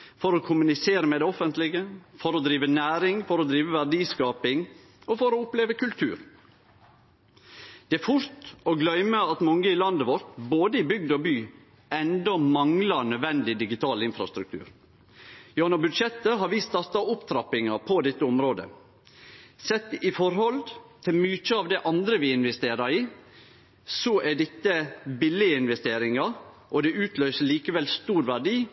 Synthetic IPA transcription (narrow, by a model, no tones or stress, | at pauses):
fɔɾɔkʰʊmʉnɪseːɾəmɛd̪ɛɔfənt̪lɪɡəfɔɾɔd̪ɾiːʋənæːɾɪŋfɔɾɔd̪ɾiːʋəʋæɾɖiːskɑːpɪŋ | ɔfɔɾɔʊpleːʋəkʉlt̪ʰʉ̰ːɾ | d̪̥ɛæɾfʊɾt̪ɔɡlœʏməɑt̪mɑŋːəɪlɑnd̪əʋɔɾt̪boːd̪əɪbʏɡd̪ɔbyː | ɛnd̪ɔmɑŋlɑɾnœʋɛnd̪ɪd̪ɪɡɪt̪ʰɑːlɪnfɾɑ̰st̪ɾʉk̚t̪ʰʉ̰ːɾ | jɑnɔbʉd̪ʃɛt̪ːəɦɑɾʋist̪ɑɾt̪ɑʊpt̪ʰɾɑpɪŋɑpʰɔd̪ɛt̪ːəʊmɾoːd̪ə̰ | sɛt̪ːɪfɔɾhɔlt̪ʰɪlmyːt͡ʃəɑʋd̪ɛʔɑnd̪ɾəʋɪɪnʋɛst̪eːɾɑɾiː | sɔʔæɖɛt̪ːəbɪlɪəɪnʋɛst̪eːɾɪŋɑɾ | ʔɔd̪ɛʔʉːt̪ʰløʏsəɭiːkəʋɛlst̪uːɾʋæɖiː